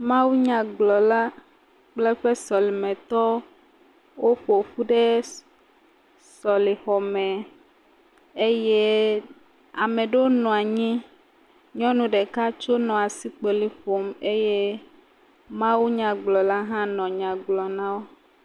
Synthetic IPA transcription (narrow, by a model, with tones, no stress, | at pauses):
mã˦wu˦ɲã˨ɡ͡blɔ˨la˦ | k͡plɛ˦ɸɛ˦sɔ˨li˨mɛ̃˨t̪ɔ˦ | wo˦ɸo˨ɸu˦ɖe˦ | sɔ˨li˨xɔ˨mɛ̃˨ | e˦je˦ | a˨mẽ˨ɖe˦wo˦nɔ̃˨a˨ɲĩ˦ | ɲɔ̃˦nũ˨ɖe˨ka˦t͡ʃo˦nɔ̃˨a˨si˦k͡pe˨li˨ɸo˨me˦je˦ | mã˦wu˦ɲã˨ɡ͡blɔ˨la˦ɦã˦nɔ̃˨ɲã˨ɡ͡blɔ˨nã˦wo˦